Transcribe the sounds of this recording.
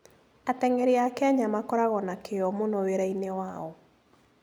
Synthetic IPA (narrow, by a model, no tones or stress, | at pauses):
atɛŋɛɾeakɛɲamakɔɾaɣɔnakeɔmonoweɾainewaɔ